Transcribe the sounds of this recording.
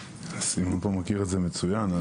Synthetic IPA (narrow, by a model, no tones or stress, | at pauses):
asimanpomakiʁetzeme̞t͡sujana